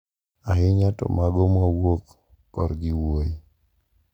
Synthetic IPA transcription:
aɦɪɲatɔ̰maɡɔmawokː | ɔɾɡɪwoji

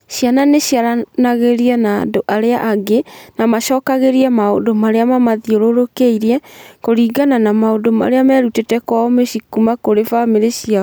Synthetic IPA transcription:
ɕjananeɕjaɾanaɣeɾianaːndoʔaɾeaʔaɡenamaɕɔːkaɣeɾiamao̰ndomaɾeamamaðioɾoɾokeiɾiɛkoɾiːɡananamaondoma̰ɾeamɛɾutetɛkwaomeɕikumakoɾefameɾeɕiaɔ

